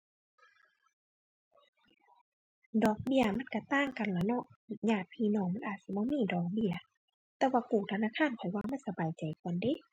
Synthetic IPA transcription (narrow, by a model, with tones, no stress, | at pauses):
dɔː˨˩k̚bi˧˨ɐma˧˥˨nka˧˩t̪aː˧˥˨ŋka˨nlɛː˧˩nɔ˧ʔɲaː˧˩t̪̚pʰiː˧˨nɔː˧˨ŋma˧˥˨nʔaː˨˩t̪̚si˧˦bɔː˧˥˨miː˧˩˨dɔː˨˩k̚bi˧˨ɐ | t̪ɛː˧waː˧kuː˨˩t̪ʰa˧naː˧˥˨kʰaː˧˥˨nkʰɔ˨˩jwaː˧˨ŋma˧˥˨nsa˧baː˨jt͡ɕa˨jkʰu˨ənde˧˦˨